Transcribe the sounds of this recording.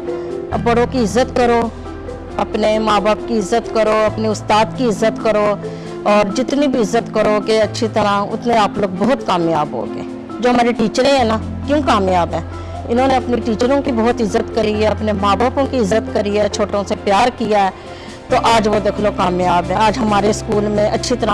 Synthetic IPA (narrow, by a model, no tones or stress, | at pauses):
bɐɽokiɪzːət̪kəɾoː | ɐpnemaːbaːp̚kiɪzːət̪kəɾoːɐpniʊst̪aːd̪kiɪzːət̪kəɾo | ɔːɾd͡ʒɪt̪nibʱiɪzːət̪kɐɾokeɐtːʃʰit̪ɐɾaʊ̰t̪nẽaːploːɡ̚bɔɦʊt̪kaːmjaːbɦo̰ːɡḛː | d͡ʒoːɦɐmaːɾeʈiːt͡ʃəɾẽɦɛ̃naː | kjõːkaːmjaːbɦɛ̃ː | ɪnõːneɐpniʈiːt͡ʃəɾõkibɔːt̪ɪzːət̪kɐɾiɦɛɐpnemaːbaːpõkiɪzːət̪kɐɾiɛːt͡ʃʰoːʈõsepjaːɾkijaɛ | t̪oʔaːd͡ʒʋod̪eːkʰlokaːmjaːbɦɛ̃ːaːd͡ʒɦɐmaːɾeskuːlmẽʔɐtːʃʰit̪ɐɾã